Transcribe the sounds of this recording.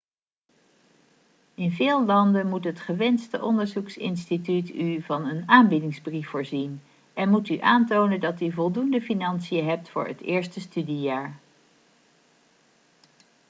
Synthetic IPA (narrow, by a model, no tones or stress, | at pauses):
ɪnvɪːlˠlɑndənmutɦətχəʋɛnstəʔɔndəɹzuksɪ̰nstitytyvɑnənaːnbidɪŋzbrifʊːɹzin | ɛnmutyʔaːntownəndɑtyvɔlˠdundəfinɑnsijəɦɛp̚tfʊ̰ːɹɦə̰tɪːɹstəstydijaːɹ